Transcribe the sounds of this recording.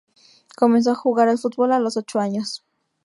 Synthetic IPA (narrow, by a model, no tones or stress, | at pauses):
ko̞mens̬oaxuɣaɾelfut̪̚bo̞lalo̞so̞t͡ʃoaɲo̞s